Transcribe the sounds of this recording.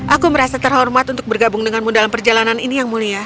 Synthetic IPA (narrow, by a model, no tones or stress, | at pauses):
ʔakuməɾasat̪ərɦɔrmat̪unt̪ʊk̚bərɡabʊŋdəŋanmudalampərd͡ʒalananinijaŋmulija